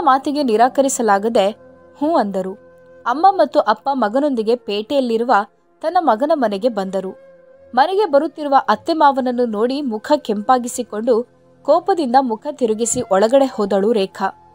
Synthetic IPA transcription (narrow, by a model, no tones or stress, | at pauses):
ɐmaːt̪iɡe̞niɾaːkɐɾisɐlaːɡɐd̪e̞ | hũːɐnd̪ɐɾu | ɐmːɐmɐt̪ːuʔɐpːɐmɐɡɐno̞nd̪iɡe̞peːʈejɐlːiɾuʋɐ | t̪ɐnːɐmɐɡɐnɐmɐnɛɡe̞bɐnd̪ɐɾu | mɐnɛɡe̞bɐɾut̪ːiɾuʋɐʔɐt̪ːemaːʋɐnɐnːuno̞ːɽimukʰɐkempaːɡisiko̞ɳɖu | kɔːpɐd̪ind̪ɐmukʰɐt̪iɾuɡisiʔɔɭɐɡɐɽe̞hɔːd̪ɐɭuɾɛːkʰɐ